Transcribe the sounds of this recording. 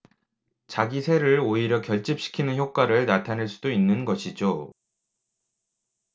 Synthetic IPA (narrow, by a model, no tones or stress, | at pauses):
t͡ɕaɡisʰe̞ɾɯɭoiɾjʌkjʌɭt͡ɕ͈ip̚ɕ͈ʰi̥kʰinɯnçjok̚k͈waɾɯɭnatʰaneɭs͈udoinːɯnɡʌɕʰid͡ʑo